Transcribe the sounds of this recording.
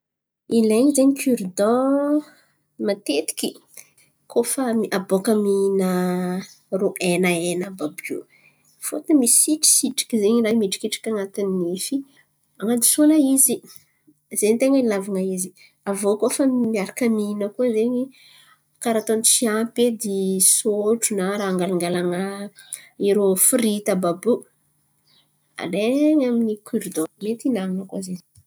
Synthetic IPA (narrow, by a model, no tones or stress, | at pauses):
ileɲizeɲikʰyɾd̪ɔ̃ | mat̪et̪i̥kʲi | kʰofamiʔabokəminə | roʔenaenəbabṵ | fot̪misiʈ͡ʂi̥siʈ͡ʂi̥kizeɲiɾajmiʈ͡ʂi̥kiʈ͡ʂḁkʲaŋat̪inːifi | aŋad̪i̥sunəizi | zent̪eŋəlavaŋaizi | avokoafamiaɾakəminəkuəzeɲi | kaɾat̪onit͡siaped̪isoʈ͡ʂunaɾaaŋɡalaŋɡalaŋə | iɾofurit̪ababu | a̰leŋaminikʰuɾd̪omet̪inaŋinəkuzeɲi̥